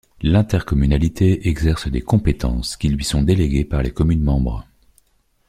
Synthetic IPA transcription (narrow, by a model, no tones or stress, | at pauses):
lɛ̃t̪ɛʁkɔmynalit̪ʰeɛɡzɛʁsəd̪ekɔ̃pet̪ɑ̰̃skʲilɥisɔ̃d̪eleɡʲepaʁlekɔmynmɑ̃bʁə